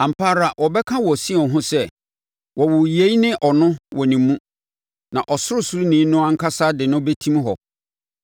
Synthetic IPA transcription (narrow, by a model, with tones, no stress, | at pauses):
ã˨m̩˨pʰa˦ɾa˨wʔɔ˨bɛ˦kʰã˦wɔ˨sĩ˦˨ɔ˨ɦʊ̃˦sɛ˦˨ | wɔ˨wʊ˨je˨˦i˦nɪ̃˦ʔɔ˨nʊ̃˦wʔɔ˨nĩ˨mː˦ũ˦ | nã˨ʔɔ˨sʊ˦ɾʊ˦sʊ˦ɾʊ˦nĩː˨˦nʊ̃˦ã˦ŋ̩˦kʰa˦sa˦dɪ˨nʊ̃˦be˦tʰĩ˦mɦɔ˨